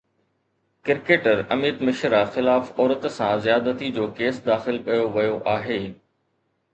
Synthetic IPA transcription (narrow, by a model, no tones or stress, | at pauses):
kɪɾkeːʈəɾɐmiːd̪mɪʃɾaxɪlaːfɔːɾət̪sãzijaːd̪ət̪id͡ʑoːkeːsd̪aːxɪlkɐjoʋɐjoʔaːɦeː